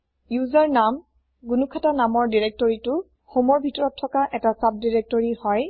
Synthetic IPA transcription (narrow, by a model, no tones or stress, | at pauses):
juzaɹnam | ɡunukʰatanamɔɹdiɹek̚tɔɹitʊ | xomɔɹbʱitɔɹɔtʰːɔkaʔɛtasap̚diɹek̚tɔɹihɔj